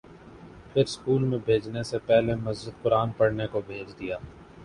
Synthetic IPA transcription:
pʰɪɾskuːlmẽbʱeːd͡ʒnesepɛɦlemɐzd͡ʒəd̪̚pʊɾaːnpɐɽnekobʱeːd͡ʒd̪ijaː

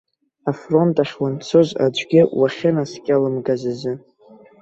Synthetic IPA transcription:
afro̞ntʼaχʲwant͡sʰoza̰d͡ʒʷʼɡʲɪwaχʲɪnaskʲʼalɨmɡazazɨ

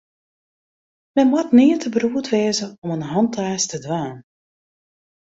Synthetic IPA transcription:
mɛnmwatnɪːətʰəbruətʋeːzəɔmənɦɑntʰaːstədʋaːn

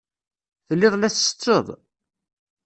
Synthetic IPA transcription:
θəlːɪðˤlæθsə̥t͡sːəðˤ

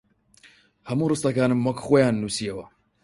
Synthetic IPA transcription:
hɐmuːrɨst̪ɐkaːnɨmːɐkxoːjaːnːuːsijɐwɐ

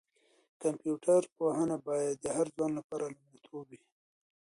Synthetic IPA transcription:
kampjuʈʰaɾpohanabɑjad̪ːəhaɾzwɑnlapɑɾalamat̪ʰowi

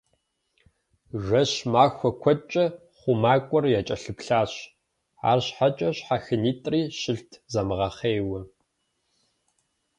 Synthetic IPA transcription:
ʒʷɐɕmaːxʷɔkʷʰɔt͡ʃʼɐ | χʷʊmaːkʷʼɔrjat͡ʃʼɐɬɨpɬaːɕ | a̰ːrɕħat͡ʃʼɐɕħaxɨniːtʼriːɕɪɬtʰzɐmɨʁɐχeːwɐ

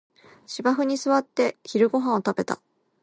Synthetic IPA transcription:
ɕibaɸɯ̟ɲ̟isɨβat̪ːe̞çiɾɯ̟ɡo̞ɦãɰ̃ot̪abe̞t̪a̰

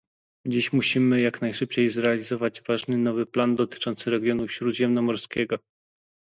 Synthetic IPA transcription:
d͡ʑiɕmuɕimɘjaknajʂɘp̚t͡ɕejzɾɛalʲizɔvad͡ʑvaʐnɘnɔvɘpland̪ɔt̪ɘ̥t͡ʂɔnt̪sɘɾɛɡʲjɔnufɕɾud̪ʑɛmnɔmɔɾskʲɛɡɔ

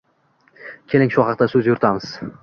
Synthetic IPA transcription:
kʲʰe̞lɪŋʃʊχɑq̚t̪asɵzjʊɾt̪ʰamɪz̥

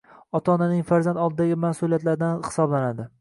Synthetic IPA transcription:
ɒt̪ʰananɪŋfaɾzand̪ɒlˠd̪ɪd̪aɡʲɪmasulijat̪laɾd̪anhɪ̥sɒblanad̪ɪ

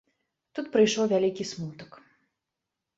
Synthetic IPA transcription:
t̪ut̪pɾɨjʂɔwvʲalʲikʲismut̪ək

